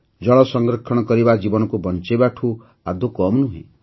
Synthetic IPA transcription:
d͡ʒɔɭɔsɔŋɡɾɔkʰːɔɽ̃ɔkɔɾibad͡ʒibɔnɔkubɔnt͡ʃebaʈʰu | ad̪ʱukɔmnuɦḭ̃

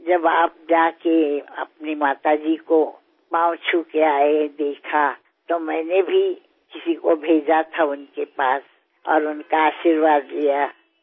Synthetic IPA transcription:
d͡ʒɐbaːp̚d͡ʒaːkeɐ̰pnimaːt̪ad͡ʒiko | pãːʊ̃t͡ʃʰukeaːed̪eːkʰa | t̪omɛ̃ːnebʱi | kɪsikobʱeːd͡ʒat̪ʰaʊnkepaːs | ɔ̰ːɾʊnkaaːʃiɾʋaːd̪lija

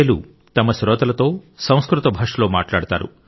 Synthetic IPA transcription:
ɐlṵ | t̪ɐmɐsɾɔːt̪ɐlɐt̪o̞ːsɐ̃w̃skɾut̪ɐbʱɐːʂɐloːma̰ːʈlaːɽut̪a̰ːɾṵ

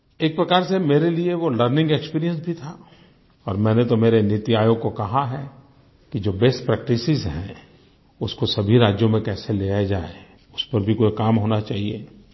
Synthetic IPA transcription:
eːk̚pɾɐkaːɾsemeːɾelieʋoləɾnɪ̃ŋɡekspiːɾijə̃nsbʱit̪ʰa | ɔːɾmɛ̃ːnet̪omeːɾeneːt̪iaːjoːɡ̚kokɐɦaɦɛ | kid͡ʒoːbeːsʈpɾɛːk̚ʈɪsɪzɦɛ̰̃ | ʊskosɐbʱiɾaːd͡ʒjõmẽkɛːseleːad͡ʒaːe | ʊspɐɾbʱikoːikaːmɦoːnat͡ʃaːɦiḛː

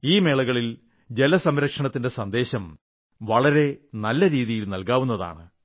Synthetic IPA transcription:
iːme̞ːɭɐɣɐɭil | d͡ʑe̞lɐsɐmɾɐkʂɐɳɐt̪ːinde̞sɐnd̪e̞ːɕɐm | ʋɐɭɐɾe̞nɐlːɐɾiːðijilnɐlkaːʋun̪ːɐða̰ːɳɨ

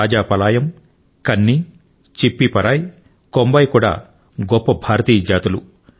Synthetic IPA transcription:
aːd͡ʒaːpɐlaːjɐm | kɐnːi | t͡ʃipːipɐɾaːj | kombɐjkuːɽa̰ː | ɡɔpːɐbʱaːɾɐt̪iːd͡ʒaːt̪ulu

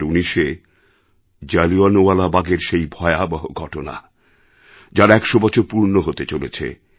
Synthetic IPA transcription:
uniʃe | d͡ʑalianoalabaɡeɾʃejbʱɔeabɔɦo̰ɡʱɔʈona̰ | d͡ʑaɾɛkʃobɔt͡ɕʰoɾpuɾnoɦot̪et͡ɕolet͡ɕʰḛ

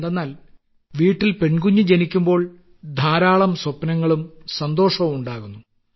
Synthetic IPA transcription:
d̪enːaːl | ʋiːʈːilpe̞ɳkuɲːud͡ʑe̞nikʲːumbo̞ːɭ | d̪ʱaːɾaːɭɐmswɐpːɐnɐŋːɐɭumsɐnd̪o̞ːʂɐmuɳɖaːɣunːu

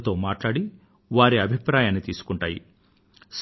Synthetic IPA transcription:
t̪o̞ːmaːʈlaːɽi | ʋaːɾiɐbʱipɾaːjaːnit̪iːsu̥kuɳʈaːjḭ | s

